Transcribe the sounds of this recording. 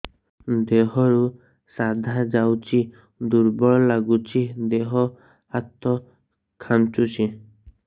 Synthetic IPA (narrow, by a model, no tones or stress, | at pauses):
d̪eɦɔɾu | sad̪ʱad͡ʒawt͡ʃʰi | d̪uɾbɔɭɔlaɡut͡ʃʰid̪eɦɔ | at̪ːɔ | kʰant͡ʃut͡ʃʰi